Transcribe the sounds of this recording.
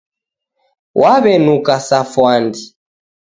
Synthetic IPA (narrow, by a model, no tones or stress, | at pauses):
wʔaβɛnukasafwandi